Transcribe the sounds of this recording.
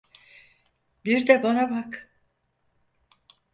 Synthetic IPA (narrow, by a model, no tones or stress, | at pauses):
biɾd̪ɛbonabak